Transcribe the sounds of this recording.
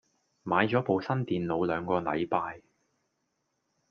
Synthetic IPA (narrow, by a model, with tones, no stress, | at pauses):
maː˨˧jt͡sɔː˨˥po˨wsɐ˥nt̪iː˨nlo˨˧wlœː˨˧ŋkɔː˧lɐ̰˨˧jpaː˧j